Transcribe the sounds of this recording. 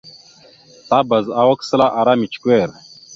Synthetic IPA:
t̪aːbɐ˨za˨wɐkslaː˦ʔa˨ɾaːmi˨t͡ʃkueːɾ

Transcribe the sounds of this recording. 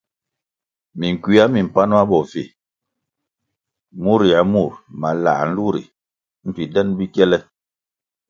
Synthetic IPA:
mi˨ŋ˨kwi˦a˦mi˨m̩˨pa˦nɔ˦a˦bɔ˨fḛ˨ | mu˦ɾi˨a˨˦mu˦˨ɾma˨la̰˨n̩˦lu˦ɾḭ˨ | m̩˨pi˨dɛ˦nbi˦kjɛ˦lɛ˦

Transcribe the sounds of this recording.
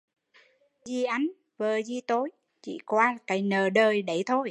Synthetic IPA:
zi˧ʔa˨˦jŋ | vəː˨˩zi˧t̪o˨˦j | t͡ɕḭ˧˩kwaː˧˨˩kaː˨˦jnəː˨˩ɗəː˨˩jɗə˨˩jt̪ʰo˧j

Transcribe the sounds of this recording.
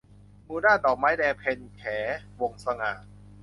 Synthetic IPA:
muː˧daː˥˩nt̪ɔː˨˩k̚maː˦˥jdɛː˧pʰe˧nkʰɛː˩˦wo˧ŋsa˧ŋaː˨˩t̪̚

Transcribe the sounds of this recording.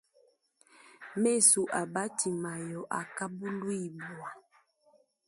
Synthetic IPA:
me˦˨su˨ʔa˨ba˦ti˨ma˨jɔ˨ʔa˨ka˦bu˦lu˦i˨bwa˨

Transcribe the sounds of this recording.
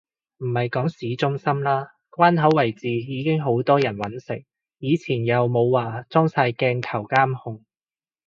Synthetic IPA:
m̩˨˩hɐ˨jkɔː˨˥ŋsiː˨˥t͡sʊ˥ŋsɐ˥mlaː˥ | kwaː˥nɦɐ˨˥wɐ˨˩jt͡siː˨jiː˨˧kɪ˥ŋɦo˨˥wt̪ɔː˥jɐ˨˩nwɐ˨˥nsɪ̰˨˩ŋ̚ | jiː˨˧t͡sʰiː˨˩njɐ˨˧wmo˨˧wwaː˨˩t͡sɔː˥ŋsaː˧jkɛː˧ŋt̪ʰɐ˨˩wkaː˥mhʊ˧ŋ

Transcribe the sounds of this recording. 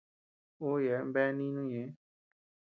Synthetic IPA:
oː˦je˨bɛː˦niː˦nũ˦je˨

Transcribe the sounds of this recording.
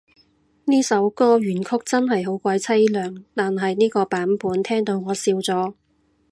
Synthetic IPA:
niː˥sɐ˨˥wkɔː˥ɥyː˨˩nkʰʊ˥k̚t͡sɐ˥nɦɐ˨jɦo˨˥wkʷaː˨˧jt͡sʰɐ˥jlœː˨ŋt̪aː˨nɦɐ˨jniː˥kɔː˧paː˨˥npuː˨˥nt̪ʰɛː˥ŋt̪o˨˧wŋɔː˨˧siː˧wt͡sɔː˨˥

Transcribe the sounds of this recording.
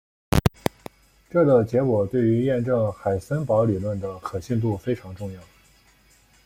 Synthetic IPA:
ʈ͡ʂɤ˥˩d̪ə˩t͡ɕjɛ˧˥kwɔ˨˩t̪we˥˩ɪy˧˥jɛ˥˧nʈ͡ʂɤ˥˩ŋxa˨˩ɪsə˥npɑ˧˥ʊli˨˩lwə˥˩nd̪ə˩kʰɤ˨˩ɕi˥˧nt̪̬u˥˩fe˥ɪʈ͡ʂʰɑ˧˥ŋʈ͡ʂʊ˥˧ŋjɑ˥˩ʊ

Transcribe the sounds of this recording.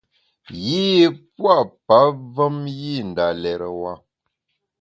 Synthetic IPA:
jiː˦pwa˦ʔpa˨˦və˦mji˦n̩˨da˨lɛ˨ɾə˨wa˦

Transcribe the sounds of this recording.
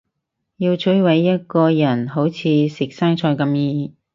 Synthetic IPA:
jiː˧wt͡sʰɵ˨˥jwɐ˨˥jːɐ˥t̚kɔː˧jɐ˨˩nɦo˨˥wt͡sʰiː˨˧sɪ˨k̚saː˥ŋt͡ʃʰɔː˧jkɐ˧mjiː˧

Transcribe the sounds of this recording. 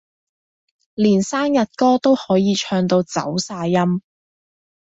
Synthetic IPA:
liː˨˩nsaː˥ŋjɐ˨t̚kɔː˥t̪o˥whɔː˨˥jiː˨˧t͡ʃʰœː˧ŋt̪o˧wt͡sɐ̰˨˥wsaː˧jjɐ˥m

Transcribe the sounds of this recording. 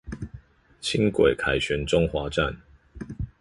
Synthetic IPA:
t͡ɕʰi˦ŋkwḛ˨˩kʰa˨˩ɪɕɥɛ˨˦nʈ͡ʂʊ˥ŋxwa˨˥˦ʈ͡ʂa̰˥˨n

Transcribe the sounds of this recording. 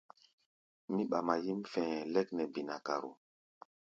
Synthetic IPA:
mi˦ɓa˨ma˨ji˦mfɛ̃˨lɛ˦knɛ˨bi˨na˨ka̰˨ɾo̰˨

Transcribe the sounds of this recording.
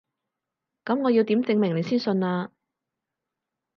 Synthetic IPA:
kɐ˨˥mŋɔː˨˧ji˧wt̪iː˨˥mt͡sɪ˧ŋmɪ˨˩ŋle˨˧jsiː˥nsɵ˧nlaː˧

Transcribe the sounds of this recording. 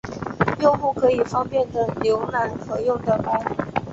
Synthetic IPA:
jo˥˧ʊxu˥˩kʰɤ˧˥i˨˩fɑ˥ŋpjɛ˥˩nd̪ə˩ljo˧˥ʊla˧˥nkʰɤ˧˥jʊ˥˩ŋd̪ə˩pa˥˩˨

